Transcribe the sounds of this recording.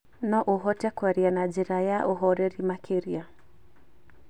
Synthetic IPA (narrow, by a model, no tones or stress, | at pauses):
nɔʔuɦɔtɛkwaɾianad͡ʒɛɾajaʔuɦɔɾɛɾimakʰeɾia